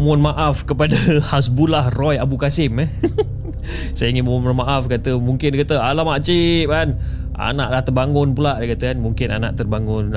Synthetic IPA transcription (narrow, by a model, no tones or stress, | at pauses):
mɔnmaʔafkəpadahas̬bulahrɔjabukasɪmə | sajəiŋɪnməmʊmanmaʔafkat̪əmuŋkɪndkat̪əalamaʔt͡ʃiʔ̚kan | a̰naʔlaht̪ərbaŋʊnpulaʔdkat̪əkanmuŋkɪna̰nã̰ʔt̪ərbaŋʊn